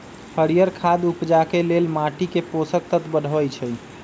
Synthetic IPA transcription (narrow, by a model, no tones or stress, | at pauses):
hʰəɾijəɾkʰad̪upd͡ʒakelelmaʈikeposək̚t̪ət̪bəɽ̤bəjt͡ʃʰɛ